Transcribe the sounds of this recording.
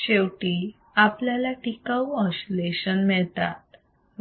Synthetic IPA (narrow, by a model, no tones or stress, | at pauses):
ɕewʈiː | apljalaʈikaə̃ɕleɕənmɛɭt̪a̰t̪